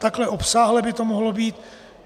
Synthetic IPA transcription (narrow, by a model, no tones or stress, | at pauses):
t̪aklɛʔo̞psaːɦlɛbɪt̪o̞moɦlo̞biːt̪